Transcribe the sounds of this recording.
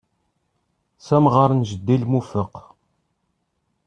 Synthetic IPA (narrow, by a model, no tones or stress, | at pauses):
sæmʁəɾˤnʒəd̪ːilmufəq